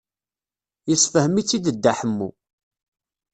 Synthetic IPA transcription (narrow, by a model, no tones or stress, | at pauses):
jəsfəhəmit͡sːid̪əd̪ːaħəmːṵ